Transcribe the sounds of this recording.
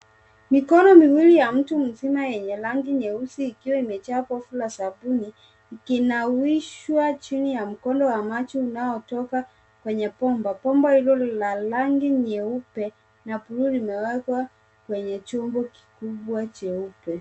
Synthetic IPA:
mikɔnɔmiwilijam̩tum̩zimajɛɲɛlaŋɡiɲɛusiːkiwaimɛt͡ʃapɔfulasabuniː | kinawiʃwat͡ʃinijam̩kɔndɔwamat͡ʃiunaɔtɔka | kwɛɲɛpɔmbapɔmbahilɔlalaŋɡiɲɛupɛ | napuɾulimɛwɛkwa | kwɛɲɛt͡ʃɔmbɔki̥kuɓwat͡ʃɛupɛ

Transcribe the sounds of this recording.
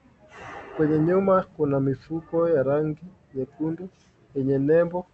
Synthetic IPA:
kwɛɲɛɲumakunamifukɔjaɾaŋɡi | ɲɛpundu | jɛɲɛnɛmbɔ

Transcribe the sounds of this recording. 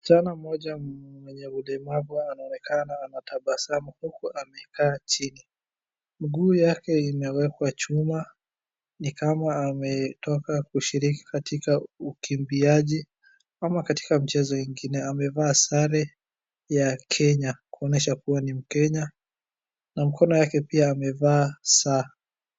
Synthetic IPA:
sanam̩ɔʄamwɛɲɛulɛmavuanaɔnɛkʰanaːnataɓasamuhukuʔamɛkaːt͡ʃini | m̩ɠuːjakɛimɛwɛkwat͡ʃuma | nikamaːmɛtɔkakuʃiɾiki̥katikaukimbiaʄi | amakati̥kam̩t͡ʃɛzɔjiŋɡinɛamɛvaːsaɾɛ | jakʰɛɲakuɔnɛʃakuwanim̩kɛɲa | nam̩kʰɔnɔjakɛpiaːmɛvaːsa

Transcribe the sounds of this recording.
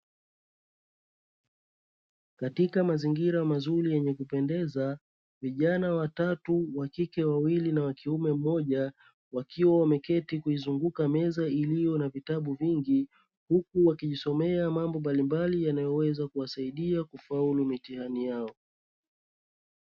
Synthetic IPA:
katikamaziŋɡiɾamazuɾijɛɲɛkupɛndɛza | viʄanawatatuwakikɛwawilinawakiumɛm̩mɔʄa | wakʰiwawamɛkɛtikuizuŋɡukamɛzailijɔnavitaɓuviŋɡi | hukuwakiʄisɔmɛamambɔmbalimbalijanajɔwɛzakuwasaiɗiakufaulumitihanijaɔ

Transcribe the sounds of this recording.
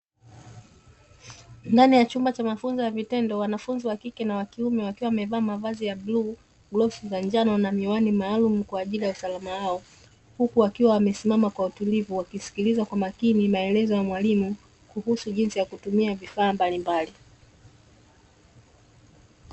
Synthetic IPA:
ndanijat͡ʃumbat͡ʃamafunzijavitɛndɔwanafunziwakikɛnawakiumɛwakiwawamɛvaːmavazijablu | ɡlɔsizaɲd͡ʒanɔnamiwanimaːlumukwaːʄilijausalamawaɔ | hukuwakiwawamɛsimamakwautulivuwakisi̥kilizwakwamakinimaɛlɛzɔjamwalimu | kuhusuʄinsijakutumiavifaːmbalimbali

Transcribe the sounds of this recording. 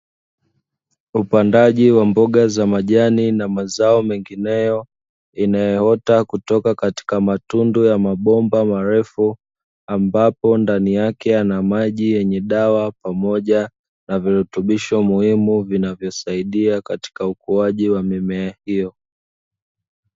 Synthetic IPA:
upandaʄiwambɔɠazamaʄaninamazaɔmɛŋɡinɛjɔ | inajɛhɔtakutɔkakati̥kamatundujamaɓɔmbamaɾɛfu | ambapɔndanijakɛanamaʄijɛɲɛɗawapamɔʄa | naviɾutuɓiʃɔmuhimuvinavjɔsaiɗiakati̥kaukuaʄiwamɛmɛahijɔ

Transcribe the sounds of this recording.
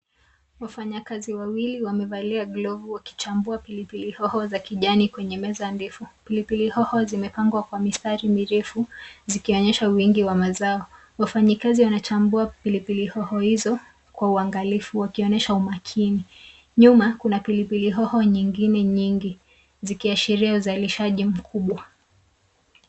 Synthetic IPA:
wafaɲakaziwawiliwamɛvaliaɡlɔvuwaki̥t͡ʃambuapilipilihɔhɔzakiʄanikwɛɲɛmɛzanbɛfupilipilihɔhɔzimɛpaŋɡwakwamistaɾimiɾɛfuzikiɔɲɛʃawiŋɡiwamazaɔ | wafaɲikaziwanat͡ʃambuapilipilihɔhɔhizɔ | kwauaŋɡalifuwakiɔnɛʃaumakʰini | ɲumakunapilipiliɦɔhɔɲiŋɡinɛɲiŋɡi | zikiaʃiɾiauzaliʃaʄim̩kʰuɓwa

